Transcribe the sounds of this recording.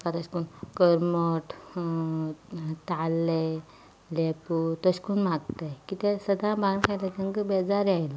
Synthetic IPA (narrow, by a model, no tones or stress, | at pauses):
kat̪əskunkəɾmoʈ | t̪alːe | leput̪əɕkunmaɡt̪ajkit̪ɛsəd̪ãbãɡkʰajlat̪ə̃ŋɡəbed͡zaɾiajlɔ